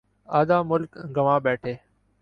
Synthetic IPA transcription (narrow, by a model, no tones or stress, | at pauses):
aːd̪aːmʊlkɡəʋãːɓɛːʈʰeː